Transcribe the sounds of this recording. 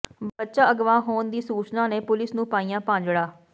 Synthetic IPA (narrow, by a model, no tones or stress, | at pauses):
bətːʃaːəɡʋãːɦoːnd̪iːsuːt͡ʃnãːneːpʊlɪsnũːpaːijãːpãːɲd͡ʒɽaː